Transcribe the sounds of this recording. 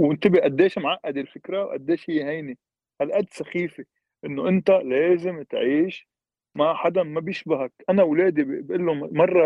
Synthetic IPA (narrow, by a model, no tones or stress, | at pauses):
wɪnt̪ɪbiʔad̪ːeːʃmʕaʔːad̪ɪlfɪkɾawʔa̰d̪ːeːʃhɪjːɦajni | halʔad̪ːsaxiːfe | ʔɪnːoʔɪnt̪aleːzɪmt̪ʕiːʃ | maħad̪amabjɪʃbaɦak̚ʔanawleːd̪ibʔɪlːomɑrˤːɑ